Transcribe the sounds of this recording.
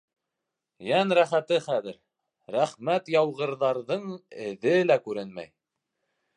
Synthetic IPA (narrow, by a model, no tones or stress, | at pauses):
jænɾæχæt̪ɘχæðɘɾ | ɾæχmæt̪jɑwʁɤ̆ɾðɑɾðɤɴɘ̆ðɘlækʉɾɘnmæ̰j